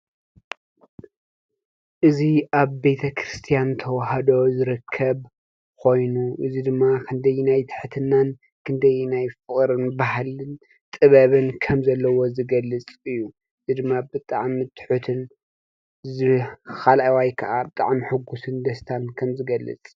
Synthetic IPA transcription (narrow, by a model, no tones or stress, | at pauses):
ʔɨziʔaβːe̞t̪ʰɐkʰɾɨst̪ʰijant̪ʰɐwhɐd̪o̞zɨɾɨkʰːɐβ | kʰo̞jnuʔɨzid̪ɨmːakʰɨnd̪ɐjnajt̪ʰɨ̥ħt̪ʰɨnːan | kʰɨnd̪ɐjnajfɨχʼɾɨnbaɦalɨn | t̪ʼɨβɐβɨnkʰɐmzɐlːɐwo̞zɨɡɐlːɨt͡sʼɨjːu | ɨzid̪ɨmːabɨt̪ʼaʕmit̪ʰɨ̥ħut̪ʰɨn | zɨxalʔajwajkʰɐʔabɨt̪ʼa̰ʕmiħɨɡusɨnd̪ɐst̪ʰankʰɐmzɨɡɐlːɨ̰t͡sʼ